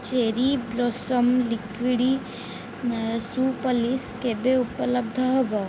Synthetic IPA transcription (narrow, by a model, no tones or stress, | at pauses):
t͡ʃeːɾiblosəmlikʋiɽi | supəliskebeupələbd̪ʱəɦəbə